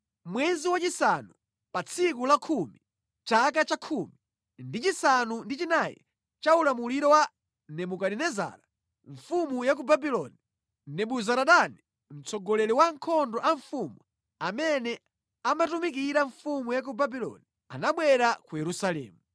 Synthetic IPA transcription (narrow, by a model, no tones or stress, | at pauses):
mwɛziwat͡ʃisanu | pat͡sʰik̬ulakʰumi | t͡ʃak̬at͡ʃakʰumi | ndit͡ʃisanundit͡ʃinajḭ | t͡ʃaulamuliɾɔwa | nɛmukaɗinɛza̰ːɾa | ɱfumujak̬ubabilɔni | nɛɓuzaɾaɗani | m̩t͡sʰɔɡɔlɛlɛwaŋkʰɔndɔʔaɱfumu | amɛnɛ | amatumik̬iɾaɱfumujak̬ubabilɔ̰ni | a̰naɓwɛɾakujɛɾusalɛ̰ːmu